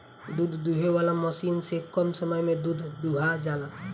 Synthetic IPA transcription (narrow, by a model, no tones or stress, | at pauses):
d̪uːd̪ʱd̪uɦeʋaːlaməʃiːnsekɔmsəməjmẽd̪uːd̪ʱd̪uːɦad͡ʒaːla